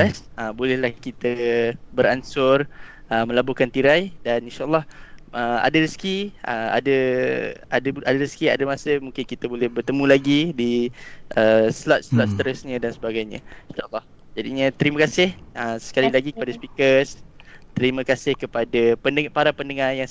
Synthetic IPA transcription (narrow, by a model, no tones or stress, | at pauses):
ɛsəbolɛhlahkit̪əbəɾansʊrəmə̃labukant̪iɾajdanĩnʃaʔəlˠːɑhʔəa̰dəɾəsə̥kiʔə̰a̰də | a̰dəadaɾəskia̰dəmasəmũŋkɪnkit̪əbolɛhbərt̪əmũlaɡidiʔəslɔt̪̚slɔt̪̚st̪əɾəsɲə̃dansəbaɡajɲə̰̃inʃaʔəlˠːɑh | d͡ʒadiɲə̃t̪əɾimakasɪhəsə̥kalilaɡikəpadaspikəst̪əɾimakasɪhkəpadapənpaɾapəndəŋarjaŋ